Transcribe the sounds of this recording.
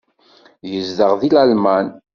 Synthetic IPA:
jəzðəʁðilælmæn

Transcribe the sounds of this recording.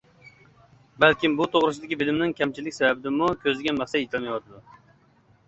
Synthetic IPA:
balkʲɪmbʊt̪ʰoʁɾɨsɪd̪ɪɡʲɪbɪlɪmnɪŋkʲʰamt͡ʃʰɪlːɪkʲsababɪd̪ɪmʊkʲʰɵzɪɡʲanmɑχsaet̪ʰɪlmajwɒt̪ɪd̪ʊ

